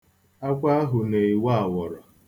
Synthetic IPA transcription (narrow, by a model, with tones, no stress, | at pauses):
a˦kʷa˦ɦʊ˨ne˨i˨wa˦a˨wɔ˨ɾɔ˨